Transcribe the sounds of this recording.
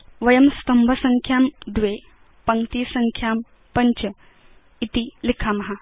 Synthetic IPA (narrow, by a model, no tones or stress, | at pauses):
ʋɐjəmst̪ɐmbʱəsɐŋkʰjaːmd̪ʋe | pɐŋt̪iːsɐŋkʰjaːm | pɐɲt͡ɕə | it̪ilikʰamɐɦa